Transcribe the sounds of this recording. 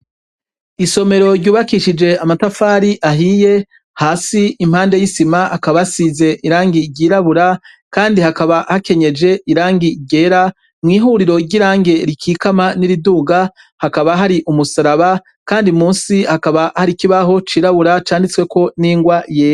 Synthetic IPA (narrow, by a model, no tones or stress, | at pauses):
iso̞me̞ɾo̞ɾɟuːβakiʃid͡ʒe̞amatafaːɾiʔaɦiːje̞ | haːsiːm̥haːnde̞jisimaʔakaβasize̞ʔiɾaːŋɡiɟiːɾaβuɾa | kaːndihakaβahake̞ɲe̞d͡ʒe̞ʔiɾaːŋɡiɟe̞ːɾa | mŋiːɦuːɾiɾo̞ɟiɾaːŋɡe̞ɾikʰiːkamaniɾiduːɡa | hakaβaɦaɾiʔumusaɾaβa | kaːndimuːnsihakaβahaɾikiβaɦo̞t͡ʃiːɾaβuɾat͡ʃaːndit͡swe̞ko̞niːŋɡwajeːj